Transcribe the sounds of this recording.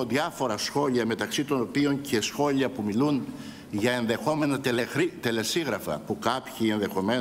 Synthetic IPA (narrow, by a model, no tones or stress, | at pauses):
oðiɐfo̞ɾɐsxo̞ʎiɐme̞t̪ɐksit̪ono̞pio̞ɲce̞sxo̞ʎiɐpumilun | ʝɐe̞nðe̞xo̞me̞nɐt̪it̪e̞le̞siɣɾɐfɐ̰pukɐpçie̞nðe̞xo̞me̞